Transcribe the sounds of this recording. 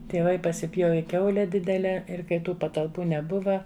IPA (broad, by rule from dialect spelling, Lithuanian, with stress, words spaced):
tʲiɛˈʋɐɪ pɐsʲɪˈpʲjoːʋʲɪ ˈkʲɛʊlʲɛ ˈdʲɪdʲɛlʲɛ ˈɪr kɐɪ ˈtuː pɐtɐlˠˈpuː nʲɛˈbʊʋɐ